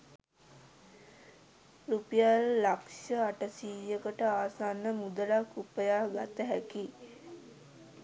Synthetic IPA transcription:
rupijalːakʂəaʈəsiːjəkəʈəaːsanːəmud̪əlakupəjaːɡat̪əɦæki

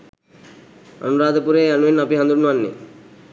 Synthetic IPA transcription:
ə̰nuɾaːd̪ʱəpuɾeɐnuenɐpiɦɐnd̪ɾuɾnuanːḛ

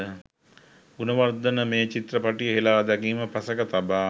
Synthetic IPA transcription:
ɡunəʋard̪ənəmeːt͡ʃit̪rəpaʈijəɦelaːd̪akiːməpasəkət̪abaː

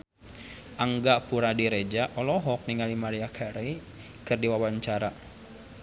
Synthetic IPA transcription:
ʔaŋɡaʔpuɾadiɾed͡ʒaʔɔlɔɦɔk̚niŋalimaɾiakʰaɾe | kɨrdiwawaɲt͡ʃaɾa

